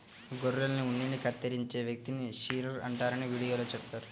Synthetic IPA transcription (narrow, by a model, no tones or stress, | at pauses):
ɡoɾːɐlniunːiɳːikɐt̪ːɐɾiɲt͡ʃe̞ːʋjɐk̚t̪iniʃiːɾɐɾɐ̰ɳʈaːɾɐniʋiːɽijo̞ːlo̞ːt͡ʃɛpbt̪aːɾu